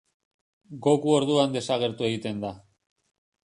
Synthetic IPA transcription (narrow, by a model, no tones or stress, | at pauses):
ɡo̞kuo̞ɾðuand̪e̞saɣ̞e̞ɾt̪ue̞ɣ̞it̪e̞nd̪a